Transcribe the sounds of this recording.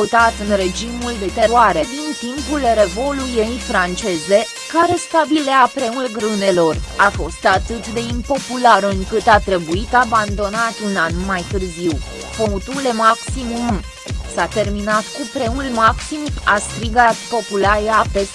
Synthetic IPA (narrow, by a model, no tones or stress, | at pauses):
ut̪at̪ɨnre̞d͡ʒimuld̪e̞t̪e̞ɾoaɾe̞d̪int̪impulre̞vo̞lujejfɾant͡ʃe̞ze̞ | kaɾe̞st̪abileapɾe̞ulɡɾɨne̞lo̞rafo̞st̪at̪ɨt̪d̪e̞impo̞pulaɾɨŋkɨt̪at̪ɾe̞buit̪aband̪o̞nat̪unanmajt̪ɨrziw | pot̪ule̞maksimum | sat̪e̞rminat̪kupɾe̞ulmaksimuast̪ɾiɡat̪po̞pulaɾeape